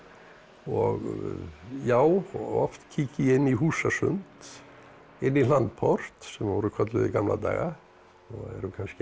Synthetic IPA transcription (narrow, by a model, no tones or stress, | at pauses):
ɔɣ | jaːwɔ̰ft̪cʰiːcɪɪnːiɦuːsasʏnt̪ | ɪnːilant̪̚pʰɔr̥t̪sɛmɔɾʏkʰœt̪̬lʏðɪkamla̰t̪a̰ːɣa | aɛ̰ɾʏkʰansc